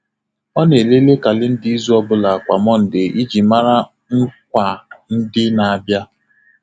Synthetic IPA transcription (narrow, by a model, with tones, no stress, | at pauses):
ɔ˦ne˨le˦le˦ka˨lɪ˦n̩˦dɪ˦i˦zu˦ɔ˦bʊ˦la˨a˨kʷa˨mɔ˦n̩˨dɪ˨ʔi˦d͡ʒi˨ma˦ɾa˦ | ŋ̩˦kʷa˨n̩˦dɪ˦na˨a˨bja˦